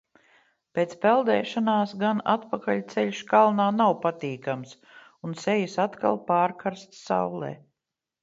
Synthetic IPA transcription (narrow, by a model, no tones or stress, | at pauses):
peːt̪spɛlˠd̪ɛːʃanaːsɡanat̪pakaʎʲt̪sɛlʲʃkalˠnaːnawpat̪iːkams | unsɛjisat̪ka̰lˠpaːɾkaɾst̪sa̰wlˠḛː